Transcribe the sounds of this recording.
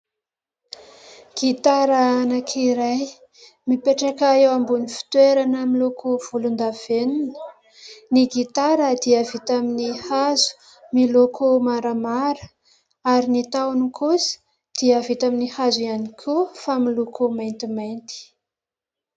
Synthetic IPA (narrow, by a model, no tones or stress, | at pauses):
ɡ̥it̪aɾəanakʰiɾaj | mipeʈ͡ʂakaewambunifi̥t̪weɾanəmilokʰov̥ulund̪av̥enunə̥ | niɡit̪aɾəd̪iəvit̪aminihazu̥ | milokʰomaɾamaɾə̥ | aɾinit̪awnukʰusə̥ | d̪̥iəvit̪aminihazuianikʲʰufamilukʰomajnt̪imajnt̪i̥